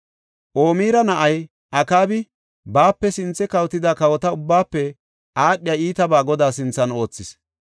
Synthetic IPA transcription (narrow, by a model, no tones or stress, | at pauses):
ʔo̞ːmiːɾɐnɐʔɐj | ʔɐkaːbɪ | baːpːɛsɪnt͡sːɛkɐwt̪ːɪd̪aːkɐwɔt̪ɐʊbːaːpːɛ | ʔaːɗɪjɐiːt̪ɐbaːɡɔd̪aːsɪnt͡sːɐno̞ːt͡sːɪs